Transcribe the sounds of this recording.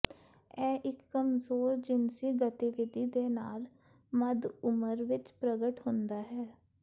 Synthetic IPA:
ɛːʔɪkːəmzoːɾd͡ʒɪnsiːɡət̪iʋɪd̪iːd̪eːnaːl | məd̪ʊməɾʋɪt͡ʃpɾəɡəʈɦʊ̃nd̪aːɦɛː

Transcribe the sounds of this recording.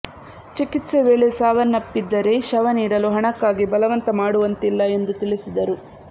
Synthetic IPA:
t͡ʃikit̪seʋeːɭe̞saːʋɐnːɐpːid̪ːɐɾe̞ʃɐʋɐniːɽɐluɦɐɳɐkːaːɡibɐlɐʋɐnt̪ɐmaːɽuʋɐnt̪ilːɐe̞nd̪ut̪iɭisid̪ɐɾu

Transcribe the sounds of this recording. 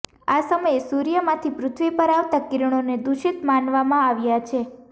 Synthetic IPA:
asəməjesuɾijəmãt̪ʰipɾʊt̪ʰʋipəɾaʋt̪akiɾɳ̃oned̪uʃit̪manʋamãaʋjat͡ʃʰe

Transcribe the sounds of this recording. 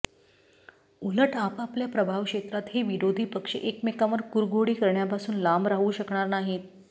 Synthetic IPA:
uləʈapapljapɾəbʱaʋkʂet̪ɾat̪ɦeʋiɾod̪ʱiːpəkʂə̰ʔekmekaʋəɾkuɾɡoɽiːkəɾɳjapasuːnlambɾaɦuɕəkɳaɾnaɦet̪̚

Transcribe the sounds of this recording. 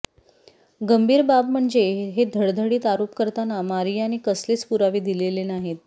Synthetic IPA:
ɡəmbʱiːɾbabm̤əɳd͡zeɦed̪ʱəɽd̪ʱəɽiːt̪aɾopkəɾt̪anamaɾijañiːkəslet͡spuɾaʋiːd̪ilelenaɦet̪̚

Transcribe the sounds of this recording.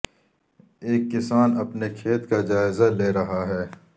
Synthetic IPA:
eːkːɪsaːnɐpnekʰeːt̪kad͡ʒaːɪzaleːɾɐɦaɦɛː

